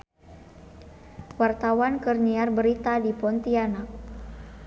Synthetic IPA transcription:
wart̪awankərniarbəɾit̪adipɔnt̪ianak̚

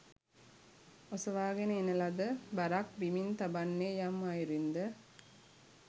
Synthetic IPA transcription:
osɐʋaːɡenəenəlad̪əbaɾak̚bimint̪abanːeːjamːajiɾind̪ə

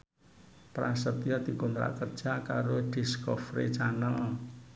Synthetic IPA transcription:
pɾasət̪jɔd̪̥i̤kunt̪ɾa̰ʔkərd̥ʒ̥a̤kaɾoɖ̥iskɔfɾḛt͡ʃanəl

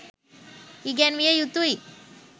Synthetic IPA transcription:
iɡɛnʋijejut̪ui

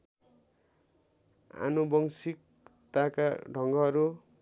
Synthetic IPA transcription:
a̰nubʌŋsik̚ | t̪akaɖʱʌŋɡʌʌɾu

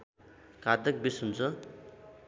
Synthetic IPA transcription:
kad̪ʌk̚bisunt͡sʰʌ

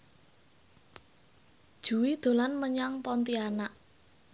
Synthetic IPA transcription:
d̥ʒ̥ṳwid̪̥o̤lanməɲaŋpɔnt̪ianaʔ

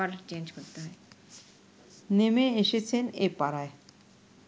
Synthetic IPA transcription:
aɾt͡ɕend͡ʑkoɾt̪eɦɔe | nemeeʃet͡ɕʰenepaɾae

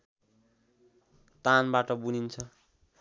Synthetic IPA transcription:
t̪anbaʈʌbunint͡sʰʌ

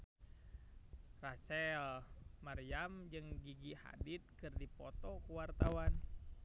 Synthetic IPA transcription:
rat͡ʃɛlmaɾiamd͡ʒɨŋɡiɡiha̰dit̪̚kɨrdipɔt̪ɔkuwart̪awan

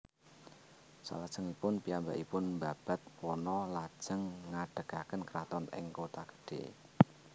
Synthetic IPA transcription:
sa̰lad̥ʒ̥əŋipʊnpiamba̰ʔipʊnmbab̥a̤t̪̚pɔnɔlḁʒ̥əŋːaɖ̥ə̤ɡ̥akənkəɾat̪ɔnɪ̰ŋkot̪aɡ̥ə̥ɖ̥ḛ

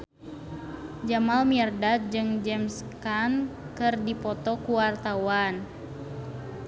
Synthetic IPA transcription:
d͡ʒamalmirdad͡ʒɨŋd͡ʒɛmskan | kɨrdipɔt̪ɔkuwart̪awan

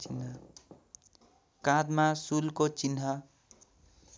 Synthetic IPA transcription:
inʌ | kãd̪masulkot͡sinɦʌ

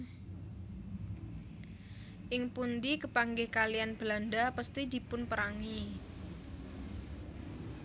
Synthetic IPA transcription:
ʔɪŋpund̪ikəpaŋɡɪhkalijanb̥landapast̪id̪i̤pʊnpəɾaŋi

